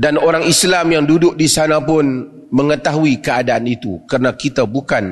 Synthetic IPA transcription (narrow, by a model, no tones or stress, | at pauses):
danoɾaŋislamjaŋdudʊk̚disanapʊn | məŋət̪aɦuikəadaːnit̪ṵkərənakit̪abukan